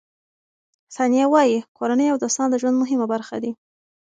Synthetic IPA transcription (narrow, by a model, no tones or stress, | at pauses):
sɑnijawɑjikoɾanəjawd̪ost̪ɑnd̪əʒwand̪mʊɦɪmabaɾxa̰d̪i